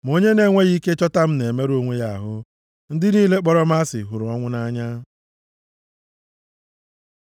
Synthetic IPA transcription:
m˨o˦ɲe˦ne˨˦ŋʷe˦ɣi˦ke˦t͡ʃɔ˦ta˦m̩˦ne˨me˦ɾo˦ŋʷe˦ja˦a˨ɦʊ˦ | n̩˦dɪ˦niː˦le˦k͡pɔ˦ɾɔ˦m̩˦a˦sɪ̰˨ɦʊ˨ɾʊ˨ɔ˦ŋʷʊ˦na˦ɲa˦

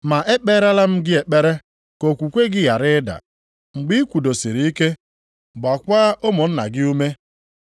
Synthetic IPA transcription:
ma˨ʔe˦k͡pe˦ɾa˦la˦m̩˦ɡɪ˦e˨k͡pe˦ɾe˦ | ko˨kʷu˨kʷe˦ɡɪ˦ja˨ɾɪ˦da̰˨ | ŋ͡m̩˨ɡ͡bi˦i˦kʷu˨do˨si˨ɾi˨i˦ke˦ | ba˨kʷaː˦ʔo˦mʊ˨n̩˦na̰˨ɡɪ˦u˦me˦

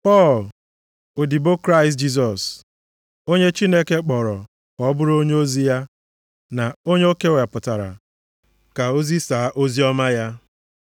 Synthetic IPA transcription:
pɔ˦˨l | o˨di˨bo˦kɾa˦ɪ˨std͡ʒi˦s̬ɔ˨s | o˦ɲe˦t͡ʃi˦ne˦ke˦k͡pɔ˨ɾɔ˨ | kɔ˨˦bʊ˦ɾo˦ɲe˦o˦zi˦ja˦ | na˨o˦ɲe˦o˦ke˦we˨pʊ˨ta˨ɾa̰˨ | ka˨o˦zi˦saː˨˦ʔo˦zi˦ɔ˦ma˦ja˦

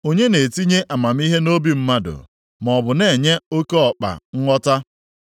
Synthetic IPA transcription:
o˦ɲe˦ne˨ti˦ɲe˦ʔa˨ma˨m̩˦i˦ɦe˦no˦bi˨m̩˦ma˦dʊ̰˨ | m˨ɔ˨bʊ˨ne˨ɲe˦o˦ke˦ɔ˨k͡pa̰˨ŋ̩˦ŋʷɔ˦ta˦

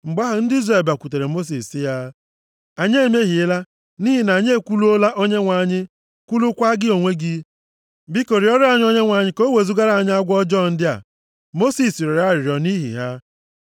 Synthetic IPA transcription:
ŋ͡m̩˨ɡ͡ba˦ɦʊ˨˦n̩˦di˦zɾe˨ba˨kʷu˨te˨ɾe˨mo˦s̬i˨sɪ˦ja˦ | a˨ɲe˦˨me˦ɦi˨ɪ˦la˦ | ni˦ɦi˦˨na˨ɲe˦e˦kʷu˦lu˦o˦la˦ʔo˦ɲe˦ŋʷa˨ɲɪ˦ | kʷu˦lu˦kʷa˦ɡɪ˦o˨ŋʷe˦ɡi˦ | bi˦ko˨ɾi˨ɔ˦ɾɪ˦a˦ɲ˦ɔ˦ɲe˦ŋʷa˨ɲɪ˦ko˦we˨zu˦ɡa˦ɾa˨a˨ɲɪ˦a˦ɡʷɔ˦d͡ʒɔ˦˨n̩˦dɪ˦a̰˨ | mo˦si˨si˨ɾe˨ɾa˦˨ɾɪ˨ɾjɔ˨ni˦ɦḭ˨ɦa˦

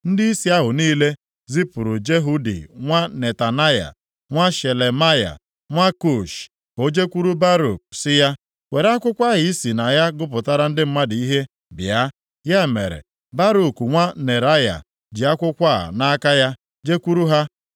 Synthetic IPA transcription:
n̩˦di˦i˦si˦a˦ɦʊ˨niː˦le˦ | zi˦pʊ˨ɾu˨d͡ʒe˦ɦu˦dḭ˨ŋʷa˦ne˨ta˨na˦ja̰˨ | ŋʷa˦ʃe˨le˨ma˦ja̰˨ | ŋʷa˦ko˦˨ʃ | o˦d͡ʒe˦kʷu˦ɾu˦ba˦ɾṵ˨k̚sɪ˦ja˦ | we˨ɾa˦kʷʊ˦kʷa˦ɦi˨i˦si˨na˨ja˦ɡʊ˦p̬ʊ˨ta˦ɾa˦n̩˦dɪ˦m̩˦ma˦di˦ɦe˦ | bja˦ | ja˦˨mḛ˨ɾḛ˨ | ba˦ɾu˨ku˨ŋʷa˦ne˨ɾa˦ja̰˨ | d͡ʒi˨a˦kʷʊ˦kʷa˦˨na˦ka˦ja˦ | d͡ʒe˦kʷu˦ɾu˦ɦa˦

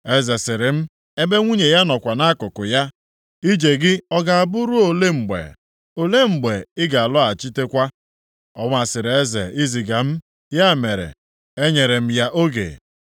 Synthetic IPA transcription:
e˦ze˨sɪ˨ɾɪ˨m̩˦ | e˦be˦ŋʷu˦ɲe˨ja˦nɔ˨kʷa˨na˦kʊ˨kʊ˨ja˦ | i˦d͡ʒe˨ɡɪ˦ɔ˦ɡa˨a˨bʊ˦ɾʊ˦o˨le˦ŋ͡m̩˨ɡ͡bḛ˨ | o˨le˦ŋ͡m̩˨ɡ͡be˨ɪ˦ɡa˨a˨lɔ˦a˨t͡ʃi˦te˦kʷa˦ | ɔ̰˦ŋ˦a˨sɪ˨ɾe˦zḛ˨i˦zi˨ɡa˨m̩˦ | ja˦˨me˨ɾḛ˨ | e˦ɲe˨ɾe˨m̩˦ja˦ʔo˦ɡḛ˨

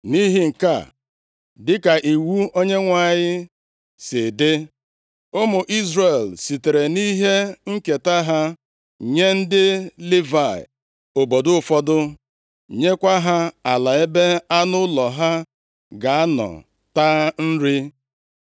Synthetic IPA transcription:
ni˦ɦi˦ŋ̩˨ka̰˦˨ | dɪ˦ka˨ʔi˨wu˦o˦ɲe˦ŋʷa˨ɲɪ˦ | sɪ˨dɪ˦ | ʊ˦mʊ˨ʔi˦zɾe˨lsi˨te˨ɾe˨ni˦ɦe˦ŋ̩˦ke˨ta˦ɦa˦ | ɲe˦n̩˦dɪ˦li˦va̰˨ | o˨bo˨dʊ˦ʊ˦fɔ˦dʊ˦ | ɲe˦kʷa˦ɦa˦a˨la˨e˦be˦a˦nʊ˦lɔ˨ɦa˦ | ɡa˨a˦nɔ̰˨ | ta˦n̩˦ɾi˦

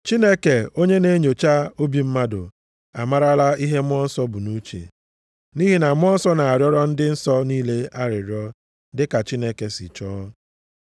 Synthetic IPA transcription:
t͡ʃi˦ne˦ke˨o˦ɲe˦ne˦ɲo˨t͡ʃa˦o˦bi˨m̩˦ma˦dʊ̰˨ | a̰˨ma˦ɾa˦la˦i˦ɦe˦m˦ɔ˦n̩˦sɔ˦bʊ˨nu˦t͡ʃḛ˨ | ni˦ɦi˦na˨mʷ˦ɔ˦n̩˦sɔ˦na˨a˨ɾjɔ˦ɾɔ˦n̩˦dɪ˦n̩˦sɔ˦niː˦le˦a˦ɾɪ˨ɾjɔ˦ | dɪ˦ka˨t͡ʃi˦ne˦ke˨sɪ̰˨t͡ʃɔː˦

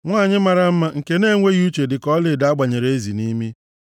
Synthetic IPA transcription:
ŋʷaː˦˨ɲɪ˦ma˨ɾa˦m̩˦ma˦ŋ̩˨ke˦ne˦˨ŋʷe˦ɣu˦t͡ʃe˨dɪ˨kɔ˦lɪ˨da˨˦a˦ɡ͡ba˨ɲe˨ɾee˦zi˨ni˦mi˦

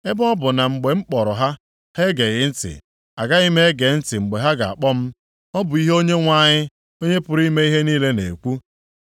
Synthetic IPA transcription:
e˦bɔ˦bʊ˨na˨ŋ͡m̩˨ɡ͡be˨ŋ͡m̩˦k͡pɔ˨ɾʊ˨ɦa˦ | he˦ɡe˨ɣɪ˦n̩˦tɪ̰˨ | a˨ɡa˦i˦me˦ɡe˨˦n̩˦tɪ˨ŋ͡m̩˨ɡ͡be˨ɦa˦ɡa̰˨a̰˨k͡pɔ˦m̩˦ | ɔ˦bʊ˨i˦ɦe˦o˦ɲe˦ŋʷa˦˨ɲɪ˦ | o˦ɲe˦pʊ˨ɾi˦me˦i˦ɦe˦niː˦le˦nḛ˨kʷu˦

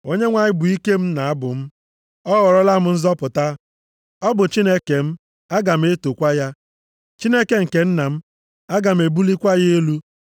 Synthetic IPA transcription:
o˦ɲe˦ŋʷa˨ɲɪ˦bʊ˨i˦ke˦m̩˦na˨a˦bʊ̰˨m̩˦ | ɔ˦ɣɔ˨ɾɔ˦la˦˨mʊ˦n̩˦zɔ˦pʊ˨ta˦ | ɔ˦bʊ˨t͡ʃi˦ne˦ke˨m̩˦ | a˦ɡa˨m̩˦e˦to˨kʷa˦ja˦ | t͡ʃi˦ne˦ke˨ŋ̩˨ke˨n̩˦na˨m̩˦ | a˦ɡa˨m̩˨e˨bu˦li˦kʷa˦je˦e˦lu˦

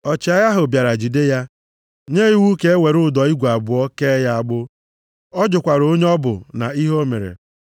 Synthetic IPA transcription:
ɔ˨t͡ʃa˨ja˦ɦʊ˨bja˨ɾa˨d͡ʒu˨de˦ja˦ | ɲe˦i˦wu˦ke˦e˦we˨ɾʊ˦˨dɔ˨i˦ɡʷu˨a˨bʊ˨ɔ˦ke˦ja˦a˨ɡ͡bʊ˦ | ɔ˦d͡ʒʊ˨kʷa˨ɾo˦ɲe˦ɔ˦bʊ̰˨na̰˨i˦ɦo˦mḛ˨ɾḛ˨

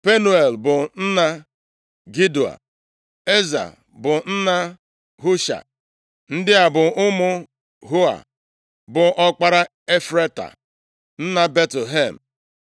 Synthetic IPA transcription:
pe˦nu˦e˨lbʊ˨n̩˦na˦ | ɡi˦du˨a̰˨ | e˦za̰˨ | bʊ˨n̩˦na˦ | ɦu˦ʃa̰˨ | n̩˦dɪ˦a˨bʊ˨ʊ˦mʊ˦ | ɦu˦a̰˨ | bʊ˨ʔɔ˦k͡pa˦ɾa˦ | e˦fɾe˦ta̰˨ | n̩˦na˦be˦tle˨ɦe˦˨m̩˨

